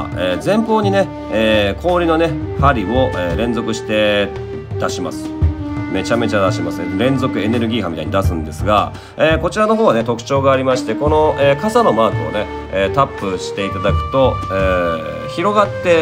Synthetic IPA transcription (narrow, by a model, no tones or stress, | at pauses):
eːd͡zẽ̞mpo̞ːɲ̟ine̞ | eːkʰo̞ːɾʲino̞ne̞haɾʲio̞ʔeːɾẽ̞nd͡zo̞kɯ̟ɕi̥t̪e̞ | d̪̥aɕima̰sɨ̥me̞t͡ɕame̞t͡ɕad̪aɕimasɨɾẽ̞nzo̞kɯ̟e̞ne̞ɾɯ̟ɡʲiːhãmʲit̪a̰iɲid̪asɨ̃nd̪e̞sɨɡa̰ | eːko̞t͡ɕiɾano̞ɦo̞ːβane̞t̪o̞kɯ̟̥t͡ɕo̞ːɡaːɾʲimaɕi̥t̪e̞ko̞no̞eːkasano̞maːkɯ̟o̞̰ne̞ | eːt̪apːɯ̟ɕi̥t̪e̞it̪ad̪akɯ̟̥t̪o̞eː | çiɾo̞ɡat̪ːe̞